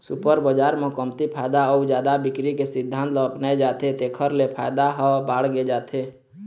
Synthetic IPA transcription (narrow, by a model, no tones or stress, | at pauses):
sʊpəɾbəd͡ʒaːɾmɔ̃kəmt̪ipʰaːjd̪aɔud͡ʒjaːd̪abɪkɾikesɪd̪ʱːãːnt̪lɔəpnaed͡ʒaːt̪et̪ekʰəɾlepʰaːjd̪aɦɔbaːɽɡed͡ʒaːt̪ʰe